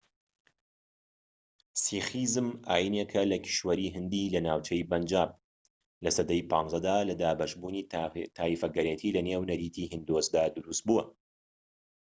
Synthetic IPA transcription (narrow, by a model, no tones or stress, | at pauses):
sixizɨmʔaːjinekʰɐlɐkʰi̥ʃwɐɾiːɦɨnd̪ilɐnaːwt͡ʃʰɐjbɐnd͡ʒaːb̚ | lɐsɐd̪ɐjpʰɑːnzɐd̪aːlɐd̪aːbɐʃbuːniːt̪ʰaːifɐɡɐɾet̪ʰiːlɐneːwnɐɾiːt̪ʰiːhɨnd̪osd̪aːd̪ʊɾust̪̚buːɐ